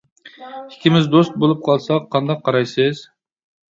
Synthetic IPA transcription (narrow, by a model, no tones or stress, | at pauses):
ikʲɪmɪzd̪ost̪̚bolˠup̚qʰɑlˠsɑqʰːɑnd̪ɑqʰːɑɾɑjsɨz̥